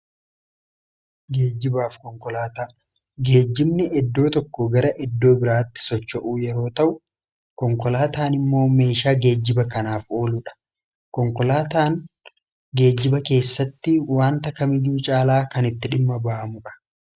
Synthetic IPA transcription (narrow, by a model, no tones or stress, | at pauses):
ɡe̞ːd͡ʒːɪbaːfkɔŋkɔlaːt̪aː | ɡe̞ːd͡ʒːɪmnɛʔɛd̪ːo̞ːt̪ɔkːɔɡɐɾɐʔɛd̪ːo̞ːbɪɾaːt̪ːɪ̥sɔt͡ʃːɔʔuːjɛɾo̞ːt̪ɐʔʊ | kɔŋkɔlaːt̪aːnɪmːo̞ːme̞ːʃaːɡe̞ːd͡ʒːɪbɐkɐnaːfo̞ːlʊᶑɐ̥ | kɔŋkɔlaːt̪aːŋ | ɡe̞ːd͡ʒːɪbɐke̞ːsːɐt̪ːɪwaːnt̪ɐkːɐmɪd͡ʒuːt͡ʃʼaːlaːkɐnɪt̪ːɪᶑɪmːɐbɐʔɐmʊᶑɐ̥